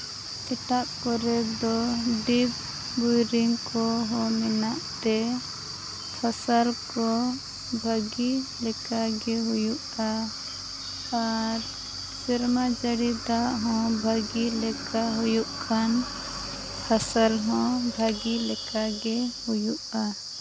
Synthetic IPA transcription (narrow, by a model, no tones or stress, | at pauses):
ɛʈaʔpɔɾɛd̪ɔɖib | bujɾiŋkɔɦɔmɛnaʔt̪ɛ | pʰasəlkɔ | bʱəɡilɛkaɡɛɦujuʔa | aɾ | siɾmad͡ʒəɽid̪aʔɦɔ̃bʱəɡilɛkaɦujuʔkʰan | pʰasəlɦɔ̃bʱaɡilɛkaɡɛhujuʔa